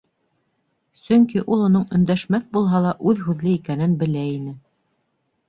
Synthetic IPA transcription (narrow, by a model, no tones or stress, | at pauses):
sɵŋkiʔulˠŏnoɴɵ̆nd̪æʃmæθbulˠɦɑlˠɑʔʉðɦʉðlɘikænɘnbɘ̆læinɘ